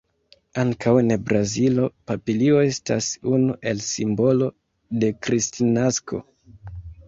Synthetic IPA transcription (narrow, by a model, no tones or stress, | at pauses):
aŋkʰawenbɾazilo̞papilio̞e̞sta̰sunuʔe̞lsimbo̞lo̞ | de̞kɾistinaskʰo̞̰